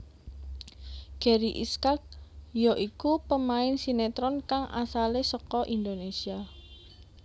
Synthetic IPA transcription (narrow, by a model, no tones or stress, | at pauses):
ɡ̥ɛɾiʔḭskak̚jɔʔikupəmaɪnsinet̪ɾɔnkaŋʔa̰salesɔkɔʔind̪onesia